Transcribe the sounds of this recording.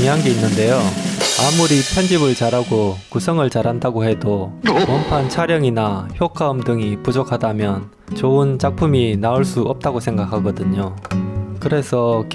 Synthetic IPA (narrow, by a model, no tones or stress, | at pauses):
miɦanɡe̞inːɯnde̞joamuɾipʰjʌnd͡ʑibɯɭt͡ɕaɾaɡokusʰʌŋɯɭt͡ɕaɾandaɡoɦe̞dopʌmpʰant͡ɕʰaɾjʌŋinaçjokʰaɯmdɯŋipud͡ʑokʰadamjʌn | t͡ɕoɯnt͡ɕak̚pʰuminauɭs͈uʌp̚t͈aɡosʰe̞ŋɡakʰaɡʌdɯɲo | kɯɾe̞sʰʌk